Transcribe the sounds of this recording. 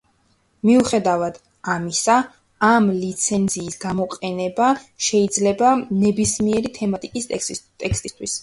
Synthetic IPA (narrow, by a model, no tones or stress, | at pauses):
miuχɛd̪avad̪̥ | amisaː | mlit̪sʰɛnziːsɡ̥amɔqʼɛnɛbaʃɛid̪zlɛbanɛbismiɛɾit̪ʰɛmat̪ʼikʼist̪ʼɛkst̪ʼist̪ʰwis